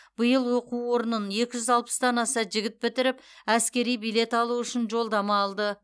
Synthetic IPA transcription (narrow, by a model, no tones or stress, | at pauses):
bəjəlˠwoquwwo̞ɾənənje̞kʲɪʒʏzɑlˠpə̥sd̪ɑnɑsɑʒɪɡʲɪt̪̚bɪt̪ɪɾɪpæskʲe̞ɾijbijle̞t̪ɑlˠuʏʃɪnʒo̞lˠd̪ɑmɑːlˠd̪ə